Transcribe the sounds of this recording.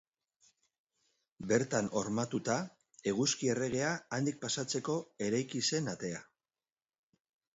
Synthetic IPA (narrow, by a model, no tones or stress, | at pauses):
be̞ɾt̪ano̞ɾmat̪ut̪a | e̞ɣ̞uskie̞re̞ɣ̞e̞aand̪ik̚pasat͡se̞ko̞e̞ɾajkise̞nat̪e̞a